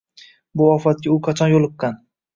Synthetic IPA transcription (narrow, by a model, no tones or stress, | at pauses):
bʊɒfat̪̚kʲaʊqʰɑt͡ʃʰɒnjolˠɨqːɑn